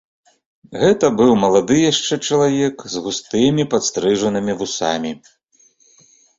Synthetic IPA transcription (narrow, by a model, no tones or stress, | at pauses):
ɣɛt̪ɐbɨwmɐlˠad̪ɨjaʂt͡ʂɛt͡ʂɐlˠavʲɛkzɣust̪ɨmʲipat̪st̪ɾɨʐɐnɨmʲivusa̰mʲi